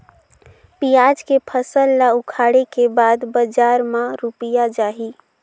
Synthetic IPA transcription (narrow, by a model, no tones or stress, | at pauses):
pijad͡ʒkepʰəsəlːaukʰaɽekebad̪bəd͡ʒaɾmãɾupijad͡ʒaɦi